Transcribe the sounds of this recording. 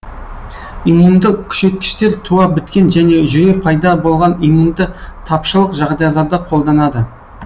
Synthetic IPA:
imund̪əkʲʰʏ̥ʃe̞t̪̚kʲɪ̥ʃt̪e̞ɾt̪ʰuɑbɪt̪kʲe̞nʒæne̞ʒʏɾe̞pʰɑjd̪ɑbo̞lˠʁɑnimund̪ət̪ʰɑpʃəlˠəqʒɑʁd̪ɑjlˠɑɾd̪əqʰo̞lˠd̪ɑnɑd̪ə

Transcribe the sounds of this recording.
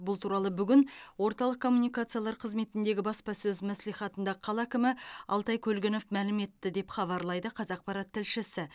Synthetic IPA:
bʊlˠt̪ʰuɾɑlˠəbʏɡʲɪnwo̞ɾt̪ɑlˠəq̚kʰːo̞mːunijkat̪sɨjalˠɑɾqʰəzme̞t̪ɪnd̪e̞ɡʲɪbɑspɑsɵzmæslijχɑt̪ənd̪ɑqʰɑlˠækʲɪmɪɑ̰lˠt̪ɑjkʲʰɵlɡʲɪno̞fmælɪme̞t̪ːɪd̪e̞pχɑβɑɾlˠɑjd̪əqʰɑzɑq̚pɑɾɑt̪ʰːɪlʃɪsɪ

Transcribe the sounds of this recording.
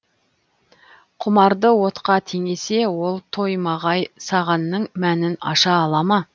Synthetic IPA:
qʰʊmɑɾd̪əwo̞t̪qɑt̪ʰeŋe̞se̞wo̞lˠt̪ʰo̞jmɑʁɑjsɑʁɑnːəɴmænɪnɑ̰ʃɑːlˠɑmɑ

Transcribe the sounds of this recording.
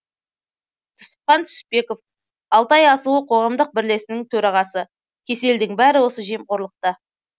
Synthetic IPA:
t̪ʰʊ̥sə̥p̚χɑnt̪ʰʏ̥spe̞ko̞f | ɑlˠt̪ɑjɑsuəqʰo̞ʁɑmd̪əq̚bɪɾle̞sɪnɪŋt̪ʰɵɾɑʁɑsə | kʲʰe̞se̞ld̪ɪŋbæɾɪwo̞səʒemqʰo̞ɾlˠəq̚t̪ə

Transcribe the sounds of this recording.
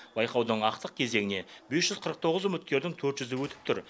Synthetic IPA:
bɑjqɑwd̪əɴɑqt̪əq̚kʲʰe̞ze̞ŋɪne̞be̞sʒ̥ʏzqʰəɾəqt̪ʰo̞ʁəzʏmɪt̪̚kʲe̞ɾd̪ɪŋt̪ʰɵɾt̪ʒʏzɪwɵt̪ɪp̚t̪ʰʏɾ

